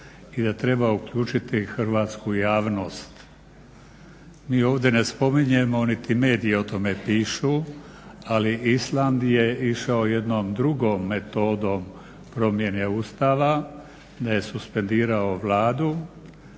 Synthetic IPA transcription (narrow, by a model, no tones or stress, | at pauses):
id̪at̪ɾe̞baukʎuːt͡ʃit̪ixr̩ʋaːt̪skujaːʋno̞ːst̪ | miːo̞ːʋd̪je̞ne̞spo̞miɲe̞mo̞nit̪ime̞ːd̪ieo̞t̪o̞me̞piːʃu | aliisland̪je̞iʃaojed̪noːmd̪ɾuɡoːmːe̞t̪o̞ːd̪o̞m | pɾo̞mje̞neust̪aːʋa | d̪aje̞suspe̞nd̪iːɾao̞ʋlaːd̪u